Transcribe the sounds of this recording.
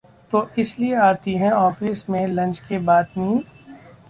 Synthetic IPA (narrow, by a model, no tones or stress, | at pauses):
t̪oːʔɪslieaːt̪iɦɛ̃ɔːfiːsmẽlɐ̃nt͡ʃkebaːd̪nĩː